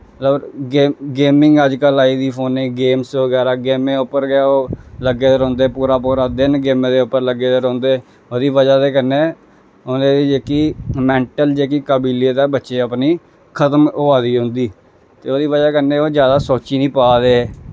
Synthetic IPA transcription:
məəbɡeːɡeːmɪŋɡəd͡ʒkəlaːiːd̪iːpʰoːnẽːɡeːmsʋəɡɛːɾaːɡeːmẽːʊpːəɾɡɪaːoːləɡːeːd̪əɾõːnd̪eːpuːɾaːpuːɾaːd̪ɪnɡeːmẽːd̪eːʊpːəɾləɡeːd̪əɾõːnd̪eː | oːd̪iːʋəd͡ʒaːd̪eːkənːeː | onẽːd̪iːd͡ʒeːkiːmɛ̃ːɳʈəld͡ʒeːkiːkəbiːleːt̪aːbətːʃeːəpniː | kʰət̪əmʊaːd̪iːɦõnd̪iː | t̪eːoːd̪iːʋəd͡ʒaːkənːeːoːd͡ʒjaːd̪aːsoːt͡ʃiːnĩːpaːd̪eː

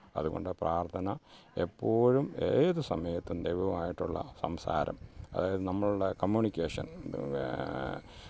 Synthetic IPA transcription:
ɐ̰ðuɣo̞̰ɳɖɨpraːrt̪ʰɐnɐ | epːo̞ːɻumeːðusɐmɐjɐt̪ːund̪ejʋɐʋɐmaːjiʈːuɭːɐ̰sɐmsa̰ːɾɐ̰mɐ̰ðaːjɐðɨnɐmːɐɭuɭːɐkɐmjuːɳikʲːeːʂɐ̰n

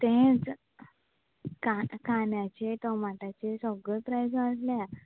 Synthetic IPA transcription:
t̪ẽd͡z | kakanjãt͡ɕet̪ɔmaʈat͡ɕesɔɡəpɾajsʋaʈlja

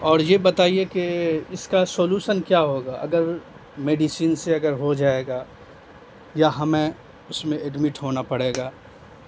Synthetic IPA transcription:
ɔːɾjebɐt̪aːiekeɪskasoːluːʃənkjaːɦoːɡaːʔɐ̰ɡəɾ | meːɖisiːnseɐɡəɾɦod͡ʒaːeːɡaː | jaɦɐmẽ | ʊsmẽɛɖmɪʈɦoːnapɐɽeːɡaː

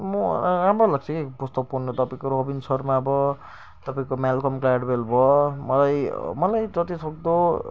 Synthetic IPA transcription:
mʌamalaɡ̚t͡sʰʌkipust̪ʌkpurnot̪ʌpaĩkoɾobinsʌrmaʌbʌ | t̪ʌpaĩkomalkʌmklaɽbelbʱʌmʌlajmʌlajd͡zʌt̪isʌk̚d̪o

